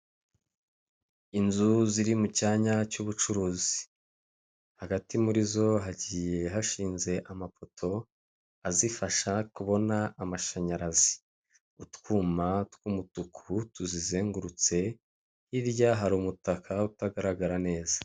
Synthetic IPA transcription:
inzuziɾimucaːɲacuβut͡ʃuɾuːzi̥ | haɡatimuɾizo̞ɦaɟiːje̞ɦaʃiːnze̞ʔamafo̞tʰo̞ | azifaʃakuβo̞naːmaʃaɲaɾazi̥ | utkuːmatkumutukʰutuzizeːŋɡuɾut͡se̞ | hiɾjaɦaɾuːmutakʰautaɡaɾaɡaɾane̞ːzḁ

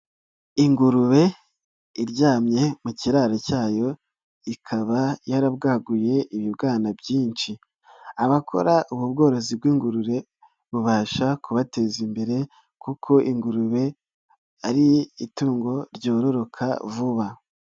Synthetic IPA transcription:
iŋɡuɾuβe̞ | iɾɟaːmɲe̞muciɾaːɾocaːjo̞ | ikʰaβajaɾabɡaːɡuje̞iβibɡaːnabɟiːnt͡ʃi | aβakʰo̰ɾaʔuβubɡo̞ːɾo̞zib̚ɡiːŋɡuɾuɾe̞ | βuβaːʃakuβate̞zimbe̞ɾe̞ | kukʰo̞ʔiŋɡuɾuβe̞ | aɾiituːŋɡo̞ɾɟo̞ːɾoɾo̞kʰa̰vuβa

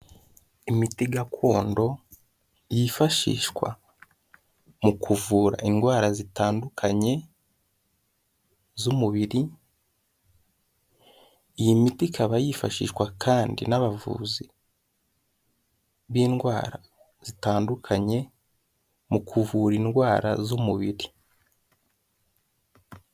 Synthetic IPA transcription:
imitiɡakʰo̞ːndo̞ | jifaʃḭːʃwa̰ | mukʰuvuːɾa̰inɡwaːɾazitaːndukʰaɲe̞ | zumuβiɾi | ijimitikʰaβajifaʃḭːʃkwakʰaːndḭnaβavṵːzi | βiːnɡwaːɾa | z̥itaːndukʰaɲe̞ | mukʰuvuːɾinɡwaːɾa̰zumuβiɾi

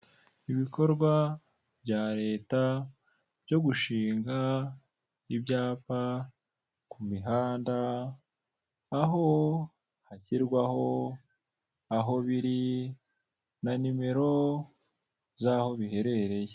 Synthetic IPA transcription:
iβiko̞ɾɡwa | bɟaːɾe̞ːta | bɟo̞ɡuʃiːŋɡa | ibɟaːpa | kumiɦaːnda | ɦo̞ | haciɾɡwaho̞ | aɦo̞βiɾi | nanime̞ɾo̞ | zaːho̞βihe̞ɾe̞ɾe̞je

